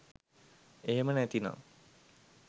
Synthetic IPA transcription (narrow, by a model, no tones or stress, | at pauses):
eɦemənæt̪ina̰